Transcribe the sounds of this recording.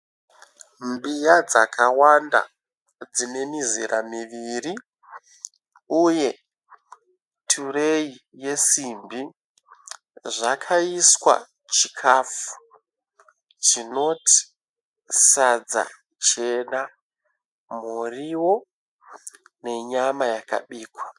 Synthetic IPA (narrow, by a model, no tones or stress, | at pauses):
mbijad͡zakʰawanda̰ | d͡zine̞miziɾʔamiʋiri | uje̞ | tʰureije̞simbi | ʐakʰaiswa̰ | t͡ʃikʰafu̥ | t͡ʃino̞tʰi̥ | sad͡za̰ | t͡ʃe̞na | muriwo̞ | ne̞ɲamajaka̰ɓiːkwa